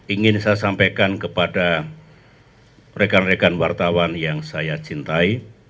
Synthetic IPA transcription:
iŋɪnsajasampekankəpada | rekanrekanwart̪awanjaŋsajat͡ʃint̪ai

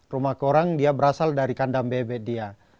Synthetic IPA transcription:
rumahkɔɾaŋdiabəɾasaldaɾikandambɛbɛdia

